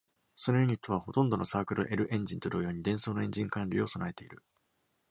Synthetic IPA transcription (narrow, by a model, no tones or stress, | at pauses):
sono̞joɲ̟it̪oβ̞aho̞t̪õ̞nd̪o̞no̞saːkɯ̟ɾɯ̟̰ʔe̞ɾɯ̟ʔẽ̞ɲ̟d͡ʑĩnt̪oɾɯjo̞ːɲ̟id̪ẽ̞so̞ːnoẽ̞ɲ̟d͡ʑĩŋkãɲɾʲiːo̞so̞nae̞t̪e̞iɾɯ̟